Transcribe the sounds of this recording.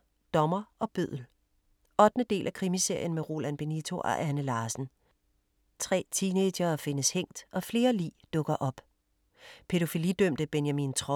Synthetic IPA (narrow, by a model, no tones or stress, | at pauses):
d̥ɒ̽mɐʔɒ̽b̥øð̰ˠl̩ | ɒ̽d̥nəd̥e̝̰ːlʔækʰʁimise̝ɐ̰jənmeʁo̝ːlænb̥e̝nit͡sʰo̝ʔɒ̰ʔænəlɑ̈ːsn̩ | t͡sʰʁɛ̰ːt͡sʰine̥ɐːfe̝nəsheŋ̰d̥ʔɒ̽fle̝ːɐlḭːd̥ɔ̽ɡ̥ɐʔɒ̽b̥ | pʰe̝ɾo̝filid̥øm̰d̥əb̥enjæmint͡sʰʁɒ